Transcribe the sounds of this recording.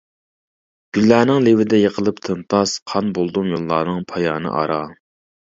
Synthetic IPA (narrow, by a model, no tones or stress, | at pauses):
ɡ̥ʲylːæːnɪŋlewɪd̪ɛjeqʰəlˠɨpt̪ʰɨnt̪ʰɑsqʰɑnbolˠd̪umjolˠːɑːnɨŋpʰɑjɑːnɨ̰ʔɑ̰ɾɑ